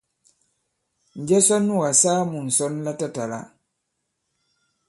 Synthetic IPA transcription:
ɲ˨d͡ʒɛ˦sɔ˦nːu˦˨wa˨saː˦mu˨n̩˨sɔ˦nla˦ta˦ta˨la̰˦

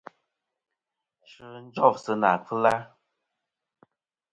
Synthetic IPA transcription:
ʃɨ˧n̩˦d͡ʒɔ˦˨sɨ˧na̰˨kʰɨ˦la˦

